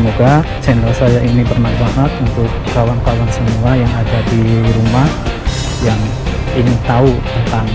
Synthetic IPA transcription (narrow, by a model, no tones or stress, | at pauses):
moɡa | t͡ʃɛnɾɔsajaʔinibərmadbaŋət̪̚unt̪ʊkːawankawansəmuajaŋadadiɾumah | jaŋ | init̪aut̪ənt̪aŋ